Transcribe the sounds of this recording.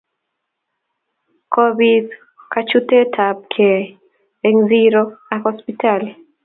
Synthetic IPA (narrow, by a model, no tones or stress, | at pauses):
kʰobid | kat͡ʃutetʰab̚kʰe | eŋziɾoahɔspital